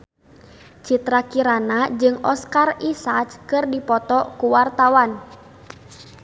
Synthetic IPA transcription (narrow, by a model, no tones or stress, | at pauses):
t͡ʃit̪ɾakiɾanad͡ʒɨŋɔskarisat͡ʃkɨrdipɔt̪ɔkuwart̪awan